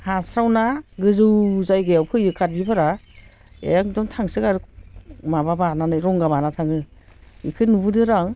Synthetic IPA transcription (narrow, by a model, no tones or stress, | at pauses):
hasɾawnaɡɯzɯwzajɡɯjawpʰɯjɯkʰat̚bipʰaɾa | ejaŋdɔŋtʰaŋsɯkaɾɯmababananɯjɾɔŋɡaβanatʰaŋɯḭkʰɯnubɯdɯɾaŋ